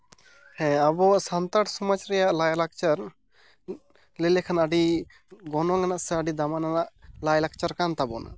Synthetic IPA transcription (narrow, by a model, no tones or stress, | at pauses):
hɛ̃abɔsant̪aʈsɔmat͡ʃɾɛjaʔlajlak̚t͡ʃaɾ | lɛlɛkʰanaɖi | ɡɔnwaŋanaʔsɛaɖid̪amananaʔlajlak̚t͡ʃaɾkant̪abɔ̰na̰ʔ